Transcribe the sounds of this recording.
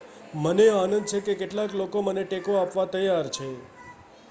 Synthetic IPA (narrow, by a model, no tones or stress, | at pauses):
məneanənd̪t͡ʃʰekekeʈlaklokoməneʈekoapʋat̪əjaɾt͡ʃʰe